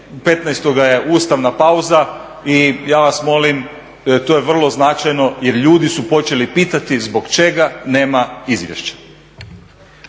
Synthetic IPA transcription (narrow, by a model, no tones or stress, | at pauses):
pe̞t̪najst̪oɡaje̞ʔuːst̪aʋnapauza | ijaːʋasmo̞lim | t̪ojeʋr̩lˠo̞znat͡ʃajno̞je̞ɾʎuːd̪isupo̞t͡ʃe̞lipiːt̪at̪izbo̞ɡt͡ʃe̞ɡane̞ːmaizʋjḛʃt͡ɕḁ